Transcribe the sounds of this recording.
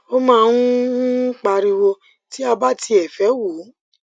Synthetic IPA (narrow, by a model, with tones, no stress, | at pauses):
o˦mãː˦˧ũ˦k͡pa˧ɾi˧wo˧ | ti˦a˧ba˦tʰi˧ɛ˨fɛ˨˦wo˨˦